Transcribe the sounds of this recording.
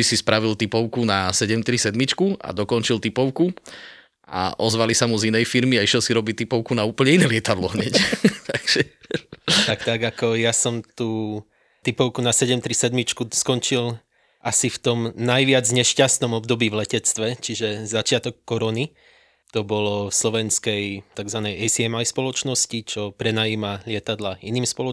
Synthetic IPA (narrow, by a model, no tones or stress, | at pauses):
isispɾaʋilt̪ipɔʊkunasɛɟɛmt̪ɾisɛd̪mit͡ʃkua̰d̪ɔkɔnt͡ʃilt̪ipɔʊku | ʔa̰ʔɔzʋalisamuzinɛjfiɾmiaiʃjɛlsiɾɔbic̚t̪ːipɔʊkunauːpl̩ɲɛinɛlɪɛt̪ad̪lɔɲɛct̪ʰaɡ̥ʒ̥ɛ | t̪akt̪aɡakɔjasɔmt̪uː | t̪ipɔʊkunasɛɟɛmt̪ɾisɛd̪mit͡ʃkuskɔnt͡ʃil | ʔasift̪ɔmnajʋɪad͡zɲɛʃcast̪nɔmɔbd̪ɔbiːʋlɛcɛt͡st̪ʋɛt͡ʃiʒɛzat͡ʃɪat̪ɔkːɔɾɔni | t̪ɔbɔlɔfslɔʋɛnskɛjt̪aɡzʋanɛjɛjsiɛmajspɔlɔt͡ʃnɔscit͡ʃɔpɾɛnajiːmaʎɪɛt̪ad̪lainiːmspɔlɔ